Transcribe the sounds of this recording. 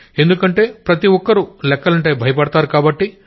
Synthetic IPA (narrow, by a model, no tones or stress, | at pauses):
e̞nd̪ukɐɳʈe̞ːpɾɐt̪iɔkːɐɾulɛkːɐlɐɳʈe̞ːbʱɐjɐpɐɽɐt̪aːɾukaːbɐʈːi